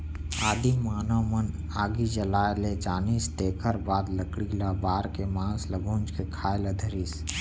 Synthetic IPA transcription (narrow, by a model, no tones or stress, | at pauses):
aːd̪imaːnomən | aːɡid͡ʒəlaːjled͡ʒaːniːst̪eːkʰəɾbaːd̪ləkɽiːlabaːɾkemãːnsləɡʱũːnd͡ʒkekʰaːeləd̪ʱəɾiːs